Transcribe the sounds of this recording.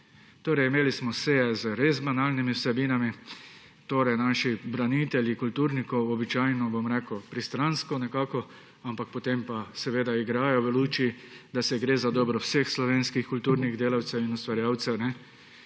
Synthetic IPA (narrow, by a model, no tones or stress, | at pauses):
t̪oːɾɛjimeːlismɔseɛzəɾezbanaːlnimiwsɛbiːnami | t̪oːɾɛjnaːʃibɾanit̪ɛljikult̪uːɾnikɔwɔbit͡ʃaːjnɔbomɾɛːkʊpɾist̪ɾanskɔnɛkaːkɔ | ampak̚pɔt̪empasɛʋeːd̪aiɡɾaːjɔʋəluːt͡ʃii | d̪asɛɡɾeːzad̪ɔːbɾɔwsexslɔʋeːnskixkult̪uːɾniɣd̪eːlawt̪sɛwinust̪ʋaɾjaːwt̪sɛwnɛ